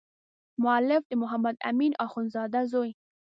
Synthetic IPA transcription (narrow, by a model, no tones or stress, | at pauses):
mʊalɪfd̪əmʊɦamad̪a̰minɑxunzɑd̪azoj